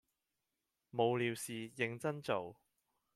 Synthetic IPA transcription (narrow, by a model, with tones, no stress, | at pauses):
mo˨˧wliː˨˧wsiː˨jɪ˧ŋt͡sɐ˥nt͡so˨w